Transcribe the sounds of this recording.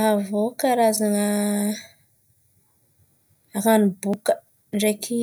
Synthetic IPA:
ɦavokaɾazaŋə | aɣanibukə | ɳɖ͡ʐekʰi

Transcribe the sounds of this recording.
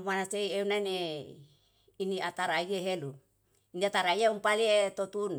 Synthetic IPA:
manaseieunane | iniat̪aɾaiɡeɦelu | iniat̪aɾaiaumpaliet̪ot̪un

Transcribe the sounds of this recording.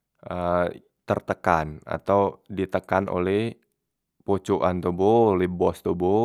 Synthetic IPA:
ʔə | t̪ərt̪əkana̰t̪awdit̪əkanʔo̰lɛh | pot͡ʃoʔant̪oboolɛhbɔst̪obo

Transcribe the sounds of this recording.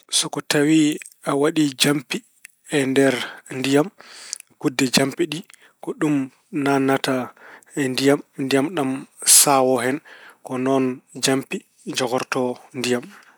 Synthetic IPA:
sɔkɔtawiawaɗid͡ʒampi | ɛndɛɾndijamkudːɛd͡ʒampiɗi | kɔɗum | nanːataɛndijamndijamɗamsawɔɦɛnkɔnɔnd͡ʒampi | d͡ʒɔɡɔɾtɔndijam

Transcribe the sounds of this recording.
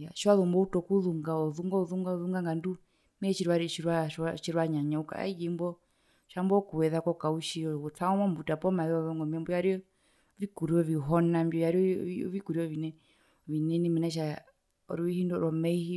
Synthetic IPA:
ja̰ʃwaðumbɔutɔkuðuŋɡaɔðuŋɡauðuŋɡauðuŋɡaŋɡandu | mɛɛt͡ʃiɾiwaɾiʃiɾwaaʃiɾwaɲaɲauka̰a̰id͡ʒimbɔ | ʃambɔkuwɛðakɔkauʃiɔtaɔmɔmbutapɔmaðɛɔβɔŋɡɔmiɛmbɔjaɾiɔ | vikuɾiɔviɦɔnambiɔjaɾiɔvikuɾiɔvinɛ | vinɛnimɛnɛʃ̬a | ɔ̰ɾiihindɔɾɔmɛihi

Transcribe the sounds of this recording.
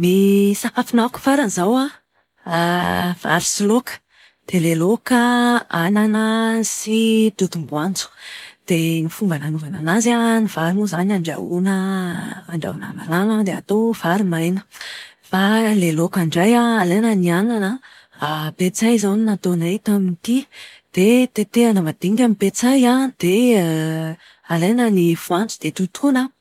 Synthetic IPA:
misakafinaku̥faɾanzawa | va̰ɾisilokə̥ | d̪̥elelokəananəsiʈ͡ʂut̪umbuand͡zu̥d̪̥enifumbananuvananazaniv̥aɾimuzanaɳɖ͡ʐa̰unəː | ɳɖ͡ʐa̰una̰malanad̪ea̰t̪ov̥aɾimajnə̥ | falelokaɳɖ͡ʐajaalenəniananə | apet͡sajzaninat̪onajt̪amint̪i | d̪̥et̪et̪eanəmad̪̥eŋkʲamipet͡sajad̪̥e | alejnənifuant͡sud̪̥et̪ut̪ʰunə

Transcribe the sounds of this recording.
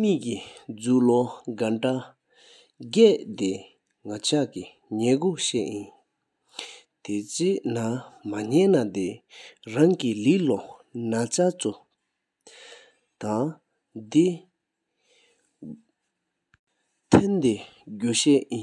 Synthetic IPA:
miʔkid͡zuːlɔɡaʈ͡ʂa | ɡɛːʔt̪e | ŋat͡ɕʰaki | ɲɛːkoɕɛ̰ʔjin | t̪ʰet͡senamaɲɛnad̪eɹaŋkiliʔlɔnat͡ɕat͡su | t̪aŋ | d̪i | t̪ʰent̪eɡuɕɛʔjin

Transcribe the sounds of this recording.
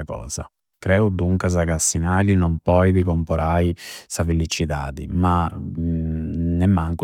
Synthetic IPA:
akɔ̰ːz̥a̰ | kɾɛːud̪uŋkas̬akasːinaːlinɔmpɔjðikɔmpɔɾʔajsafelit͡ʃit̪a̰ːd̪ḭma | nɛmːaŋku

